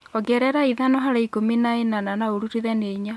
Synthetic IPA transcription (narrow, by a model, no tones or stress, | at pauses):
ɔɡɛɾɛɾaiðanɔɦaɾaikominaenananaoɾuɾiðɛneiɲa